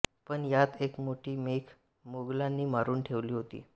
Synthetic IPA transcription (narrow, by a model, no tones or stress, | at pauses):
pəɳjat̪ekmoʈiːmekʰ | moɡlanːiːmaɾuːnʈʰeʋliːɦot̪ḭː